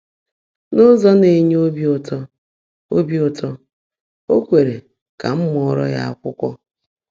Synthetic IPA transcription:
nʊ˦zɔ˦ne˨ɲ˦o˦bi˦ʊ˦˨tɔ˦ | o˦bi˦ʊ˨tɔ˦ | o˦kʷe˨ɾe˨ | ka˨m̩˦m˦ɔ˨ɾɔ̰˦ja̰˦a˨kʷʊ˦kʷɔ˦

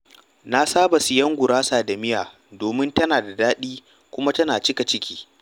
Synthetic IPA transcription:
na˦saː˦bɐ˨sɪ˨jɐ˦ŋɡʷʊ˨ɽaː˦saː˨da˨mɪ˦jaː˨ | doː˨mɪ˦ntɐ˦naː˨da˨daː˦ɗiː˦ | kʷʊ˦ma˦tɐ˦naː˨t͡ʃɪ˦ka˨t͡ʃɪ˦kʲi̥ː˦

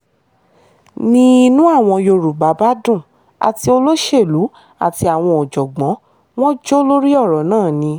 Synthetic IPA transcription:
nĩ˦˧nũ˦a˦˨w̃ɔ̃˧jo˧ɾu˨ɡ͡ba˨˦ba˦dũ˦˨ | a̰˨ti˧o˧lo˦ʃe˦˨lu˨˦ | a̰˦˨ti˧a˨w̃ɔ̃˧ɔ˨d͡ʒɔ˨ɡ͡bɔ̃˨˦ | w̃ɔ̃˦d͡ʒo˦lo˦ɾi˦ɔ˦˨ɾɔ˨nãː˦˨nĩ˧

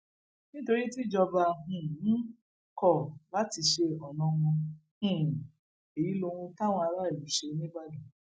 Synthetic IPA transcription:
nĩ˦to˧ɾi˦ti˦˨d͡ʒɔ˧ba˧hũ˨ñ̩˦ | kɔ˦˨la˦ti˧ʃe˧ɔ˨nɔ̃˧wɔ̃˧hũ˨ | e˨ji˨˦lo˧w̃ũ˧ta˦w̃ɔ̃˧a˧ɾa˦i˨lũ˨˦ʃe˧nĩ˦ba˦du˨˦

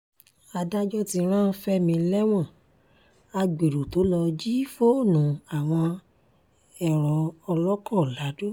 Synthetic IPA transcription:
a˧da˦d͡ʒɔ˦ti˧ɾ̃ã˦˧fɛ˦mĩ˧lɛ˦w̃ɔ̃˦˨ | a˧ɡ͡be˨ɾu˨to˨˦lɔ˧d͡ʒi˦fo˦˨nũ˨a˨w̃ɔ̃˧ | ɛ˦˨ɾ̃ɔ̃˨ɔ˧lɔ˦kɔ˦˨la˨˦du˦

